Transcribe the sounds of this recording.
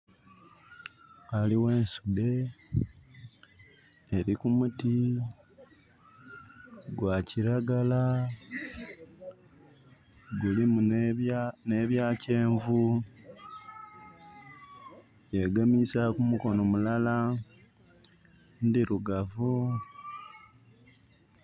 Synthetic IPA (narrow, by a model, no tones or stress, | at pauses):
aliwe̞ːnsude̞ | ɾikumuti | ɡwaciɾaɡala | ɡulimun | neβjaːce̞ːɱvu | je̞ɡamisakumuko̞no̞mulala | ndiɾuɡavu